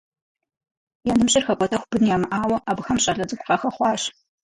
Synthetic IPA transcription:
jaːnɨmɕʼɪrxɐkʷʼɔtʰɐxʷb̥ɨnjaːmɨʔaːwɐʔabxɐmɕʼɐɮɐd͡zʼɨkʷqɑxɐχʷɑːɕ

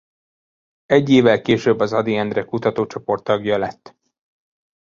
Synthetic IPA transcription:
ɛɟːeːvɛlkeːʃøbːɒzɒd̪iɛnd̪rɛkut̪ɒt̪oːt͡ʃo̞po̞rt̪ːɒɡjɒlɛt̪ː

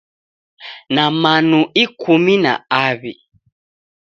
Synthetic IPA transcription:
namanuikʰumina̰aβi

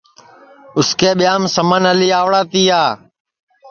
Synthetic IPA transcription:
ʊskʰeːɓɪjaːmsəmənəliːaːʋɽaːt̪iːaː

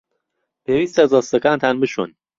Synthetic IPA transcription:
pʰeːwiːst̪æzɔst̪ɐkaːnt̪ʰanbɨʃṵn

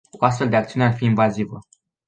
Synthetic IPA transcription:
koast̪fe̞ld̪e̞akt̪siunearfiːnvazivə

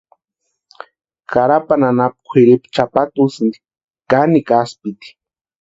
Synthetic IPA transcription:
kaɾapananap̚kʷʰɪɾipt͡ʃapat̪usɨnd̪i̥ | kanikaspit̪i̥

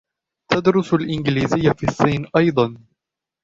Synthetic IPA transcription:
t̪ad̪ɾʊsalʔɪnɡɪliːzɪjːafiːsˤːiːnʔɑjd̪ˤɑn

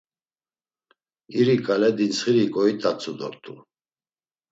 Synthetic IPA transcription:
iɾikʼalɛd̪insχiɾikʼɔit̪ʼat͡sʰʼud̪ɔ̰ɾt̪ʼṵ

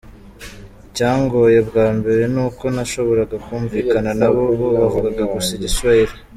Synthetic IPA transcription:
ɟaːŋɡo̞je̞bɡaːmbe̞ɾe̞nuːko̞naʃo̞βo̞ɾaɡakuːɱviːkananaβo̞βoβavuɡaɡaɡusiɟiswaiɾe

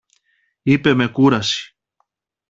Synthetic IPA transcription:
ipemekuɾasi̥

